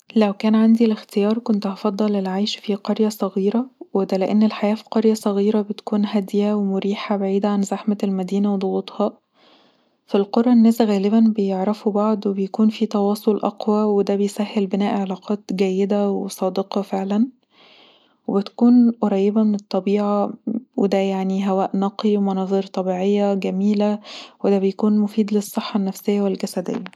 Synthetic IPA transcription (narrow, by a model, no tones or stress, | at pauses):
læwkæːnʕand̪ilext̪ejɑːɾˤkont̪ʔɑfɑd̪ˤːɑlːelʕajʃfiqɑɾjæsˤɑɣiːɾɑwed̪æleʔenːelħajæːfi̥qɑɾjæsˤɑɣiːɾɑbet̪kuːnɦæd̪jæwemʊɾiːħabaʕiːd̪æʕanzaħmælmæd̪iːnæwed̪ˤoɣuːt̪ˤhɑ | filqoɾˤːɑʔnːæːsɣæːlebænbejeʕɾˤɑfubɑʕd̪webejkuːnfit̪ɑwɑːsˤolʔɑ̰qwæwed̪æːbejsæhːelbenæːʔʕelɑːqʰɑːt̪ɡæjːed̪æwesˤɑːd̪eqɑfeʕlæn | webet̪æ̥kuːnʔoɾˤɑːjːebæmenet̪ˤːɑbiːʕɑwed̪æjaʕniɦæwæːʔnɑqiwemɑnɑːðˤiːɾt̪ˤɑbiːʕejːæɡæmiːlæwed̪æːbejkuːnmofiːd̪lesˤːeħːɑnːæfsejːæwelɡæsæd̪ḛjːæ